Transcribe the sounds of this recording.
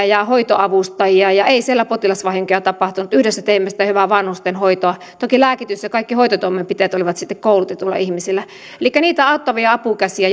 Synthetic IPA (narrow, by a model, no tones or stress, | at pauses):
jɑhoit̪oʔɑʋust̪ɑjiɑjɑeisielːæpot̪ilɑsʋɑhiŋkojɑt̪ɑpɑht̪unut̪yhɾesːæt̪eimːæsit̪æhyʋæʋɑnhust̪enhoit̪oɑ | t̪okilæːkit̪ysjɑkɑikːihoit̪ot̪uomːempit̪eːt̪oliʋɑt̪sit̪ːekkoulut̪et̪ːulːɑ̰ʔihmisilːˑæ | elikːæniːt̪æɑˑot̪ːɑʋiɑɑpukæsiæ